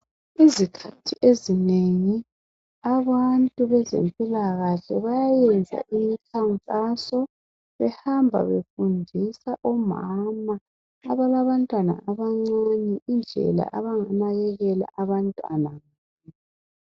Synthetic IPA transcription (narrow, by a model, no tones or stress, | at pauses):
izikʰatʰiʔezineŋi | aβantʼuβɛzḛmpʼilaɣaɬɛβajajɛnd͡zʱa̰ʔimikʰaŋkʼasɔ | βɛhambʱa̰βefundʱisaʔɔmamaː | βalaβantʼwana̰ʔaβaŋ͡ǀanɛʔind͡ɮʱɛ̰la̰ʔaβaŋanaɣɛɣɛla̰ʔaβantʼwa̰naŋa